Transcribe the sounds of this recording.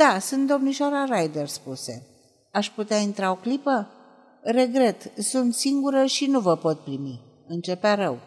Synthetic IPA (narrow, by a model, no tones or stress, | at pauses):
d̪̥asunt̪̚d̪o̞mniʃaɾaɾajd̪e̞rspuse̞ | aʃput̪eaint̪ɾao̞klipə | re̞ɡɾe̞t̪sunt̪siŋɡuɾəʃinuvəpo̞t̪̚pɾimi | ɨnt͡ʃe̞peaɾəw